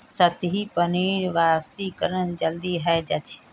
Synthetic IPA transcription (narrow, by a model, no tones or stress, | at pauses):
sɐt̪ɦipəniːɾʋaːsikəɾəñd͡ʒɐld̪iɦɛːd͡ʒɐt͡ʃʰ